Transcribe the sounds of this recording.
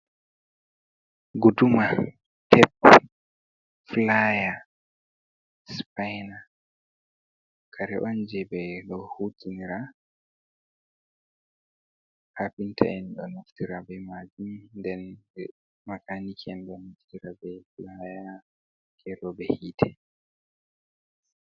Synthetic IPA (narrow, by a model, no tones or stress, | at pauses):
ɡuduma | tʰɛp̚ | flaja | spajna | kʰaɾɛʔɔnd͡ʒɛbɛlɔhutʰiniɾa | hapintʰa̰ɛnɗɔnuftiɾabɛmad͡ʒumndɛnbɛ | makanikʰɛnɗɔnuftiɾabɛflaja | kʰɛɾɔbɛhitʰɛ